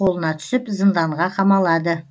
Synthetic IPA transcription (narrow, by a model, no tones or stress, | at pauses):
o̞lˠənɑt̪ʰʏ̥sɪpzənd̪ɑɴʁɑqʰɑmɑlˠɑd̪ə